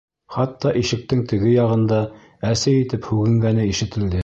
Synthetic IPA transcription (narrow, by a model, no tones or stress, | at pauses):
χɑt̪ːɑʔiʃɘ̆k̚t̪ɘŋt̪ɘ̆ɡɘjɑʁɤ̆nd̪ɑ | æsɘit̪ɘphʉɡɘ̆ŋɡænɘiʃɘ̆t̪ɘ̆ld̪ɘ